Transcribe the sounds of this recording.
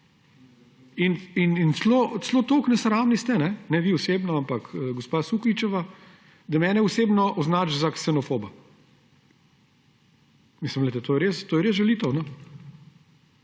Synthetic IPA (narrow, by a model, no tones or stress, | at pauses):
ininint̪sloːt̪sloːt̪oːknɛsɾaːmnist̪ɛnɛnɛʋiʊseːbnaampakːɡɔspasukʋit͡ʃɛʋa | d̪ɐmɛːnɛʊseːbnɔʔɔznaːt͡ʃzaksɛnɔfoːba | mislimlɛjt̪ɛt̪oːjɛɾeːst̪oːjɛɾezʒɛliːt̪əwnɔ